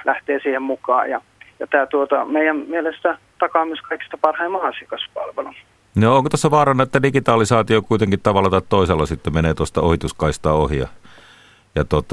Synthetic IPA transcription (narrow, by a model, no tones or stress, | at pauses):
læht̪eːsiːhemmukɑ̰ːjjɑ̰ | jɑt̪æːt̪uot̪ɑmeijæmmielest̪æt̪ɑkɑːmyøskɑiki̥st̪ɑpɑrhɑimːɑɑsikɑspɑ̰lʋelu | nooŋkot̪æsːæʋɑːrɑnːɑet̪ːædikit̪ɑːlisɑːt̪iokuit̪eŋkit̪t̪ɑʋɑlːɑt̪ɑt̪t̪oˑiselːɑsit̪ːemeneːt̪uost̪ɑohit̪uskɑist̪ɑohijɑ̰ | jɑt̪ot̪ːˑɑ